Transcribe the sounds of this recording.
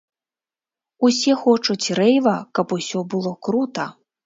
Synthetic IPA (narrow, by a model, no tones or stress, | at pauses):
usʲɛxɔt͡ʂut͡sʲrɛjvɐkɐpusʲɔbɨlˠɔkɾut̪ɐ